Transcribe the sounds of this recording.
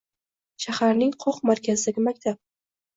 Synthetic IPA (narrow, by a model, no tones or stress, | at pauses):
ʃahaɾnɪŋqʰoqmaɾkʲazɪd̪aɡʲɪmakʲt̪ʰap̚